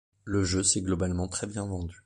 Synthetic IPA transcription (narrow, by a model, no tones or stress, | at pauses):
ləʒøsɛɡlɔbalmɑ̃t̪χɛbjɛ̃vɑ̃d̪y